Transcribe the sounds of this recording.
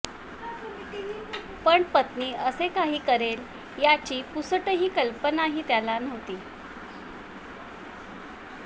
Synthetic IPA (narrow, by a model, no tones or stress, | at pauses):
pəɳpət̪niːəsekaɦiːkəɾel | jat͡ɕiːpusəʈəɦiːkəlpənaɦiːt̪jalanəʋt̪iː